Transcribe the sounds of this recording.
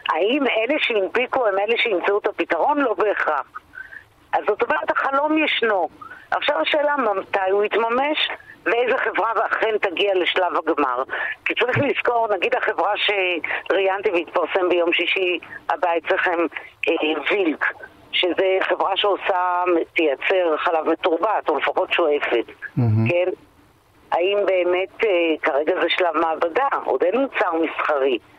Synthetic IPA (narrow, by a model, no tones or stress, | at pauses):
aimeleʃeimbikuaimeleʃeimt͡saut̪apit̪aʁo̞nlo̞beːχʁaχ | ʔazot̪omeʁet̪haχalo̞njeʃno̞ʔa̰χʃavaʃe̞ːlamamt̪ajuit̪mameʃveejzeχe̞vʁaveaχent̪aɡiale̞ʃlavaɡma̰ʁkit͡saʁiχliz̥ko̞ʁnaɡid̪haχe̞vʁaʃeʁijant̪iveit̪paʁse̞mbejo̞mʃiʃia̰baitt͡sleχemevilk | ʃezeχe̞vʁaʃeosat̪ejat͡seʁχalavmetuʁbatulefaχo̞tʃoefetke̞n | aimbe̞ːme̞tkaʁeɡazeʃlavmaːbadaʔo̰denmut͡saʁmisχaʁi